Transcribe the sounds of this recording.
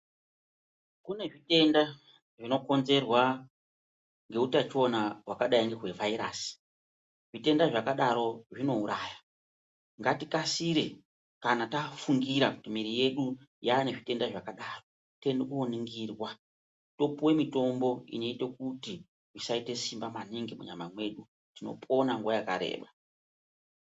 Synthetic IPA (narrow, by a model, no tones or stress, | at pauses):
kune̞ʐite̞nda | ʐino̞ko̞nze̞rwa | ŋɡe̞utat͡ʃo̞nawakaɗaiŋɡeɦwe̞vaiɾaːsi̥ | ʐ̥ite̞ndaʐakaɗaɾo̞ʐino̞uɾaːja | ŋɡatikasiɾe̞ | kanatafuŋɡiɾaku̥timiɾije̞ɗujaːne̞ʐite̞ndaʐakaɗaːro̞ | te̞ndekuoniŋɡirwa | to̞puwe̞mito̞mbo̞ḭno̞ite̞kuti | ʐisaite̞simbamaniŋɡemṵɲa̰mamwe̞ɗu | tino̞̰pʰo̞naŋɡuwajaka̰ɾḛːɓa